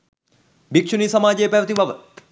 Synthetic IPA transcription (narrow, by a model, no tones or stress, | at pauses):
bikʂʰunisɐmaːd͡ʒepɛʋt̪iʋaʋə